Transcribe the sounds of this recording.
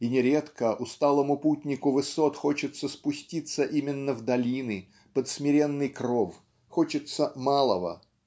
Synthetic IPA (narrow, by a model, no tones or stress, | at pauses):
inʲɪɾʲet̪kəʔʊst̪alˠəmʊputʲnʲɪkʊvɨso̞t̪xot͡ɕɪt̪səspʊsʲtʲit̪səʔimʲɪnːəvd̪ɐlʲinɨ | pət̪smʲɪɾʲe̞nːɨjkrof | xot͡ɕɪt̪səmalˠəvə̰